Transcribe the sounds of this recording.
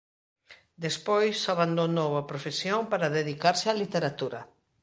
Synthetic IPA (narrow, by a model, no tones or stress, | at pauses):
d̪espojsaβand̪onoβapɾofesjoŋpaɾaðeðikaɾsɪalit̪eɾat̪uɾɐ